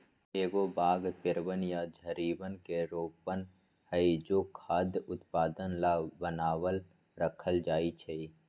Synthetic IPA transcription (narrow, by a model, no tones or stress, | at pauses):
eːɡobaːɡpɪɾʋənjad͡ʒʱəɾiːbənkeɾoːpən | həid͡ʒoːkʰaːd̪jʊt̪paːd̪ənlabənaːwəl | ɾəkʰəld͡ʒaːit͡ʃʰei